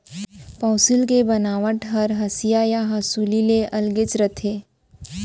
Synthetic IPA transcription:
paːsɪlkebənaːʋəʈɦɐɾɦɐsijajaɦasuːlileʔɐlɡɪt͡ʃɾət̪ʰeː

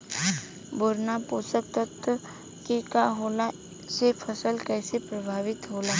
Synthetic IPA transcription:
bʊɾnapuːsək̚t̪ət̪ | kekaɦoːla | sepʰəsəlkɛːsepɾəbʱaːʋɪt̪ɦoːlaː

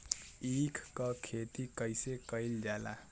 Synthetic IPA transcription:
ikʰkʌkʰet̪ikəjsekəild͡ʒala̰

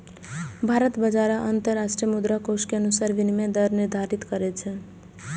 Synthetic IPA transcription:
bʱaɾət̪bəd͡ʒaɾaʔənt̪əɾːaʃʈɾijəmud̪ɾakoskeənusaɾʋinimed̪əɾniɾd̪ʱaɾit̪kəɾɛt͡ʃʰɛ

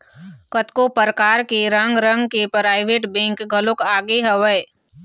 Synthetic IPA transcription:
kət̪kopəɾəkaːɾkeɾə̃ŋɡɾə̃ŋɡkepɾaːɪʋeːʈbẽːŋkɡʱəlʊkaːɡeɦəʋəː

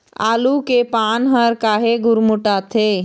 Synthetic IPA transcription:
a̰ːlukepaːnɦəɾkaːɦeɡʊɾmʊʈat̪ʰe

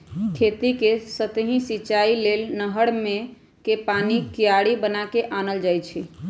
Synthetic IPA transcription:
kʰet̪ikesət̪ɦĩsit͡ʃailelnəɦəɽmẽ | kepanikijaɽibənakeʔanəld͡ʒajt͡ʃʰi

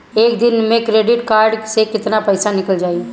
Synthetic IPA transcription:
eːkd̪ɪnmẽkɾeːɖɪʈkaːɾɖsekɪt̪napɐɪsanɪkəld͡ʒaːi

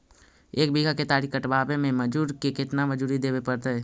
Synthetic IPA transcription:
eːk̚biːɡʱaket̪aːɾikəʈbaːbemẽmɐd͡ʒuːɾkekɪt̪naməd͡ʒuːɾid̪eːwepɐɾt̪aɦɛː

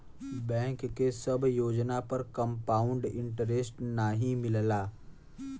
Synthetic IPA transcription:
bɛ̃ːŋkːesɐbjoːd͡ʒnapɐɾkɐmpaːʊɳɖɪ̃ɳʈəɾeːsʈnaːɦĩmɪləlaː

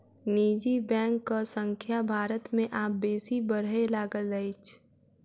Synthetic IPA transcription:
niːd͡ʒibɛ̃ːŋkːasə̃ŋkʰjabʱaːɾət̪mẽʔaːp̚beːsibəɾɦelaːɡəld͡ʒəet͡ʃʰ

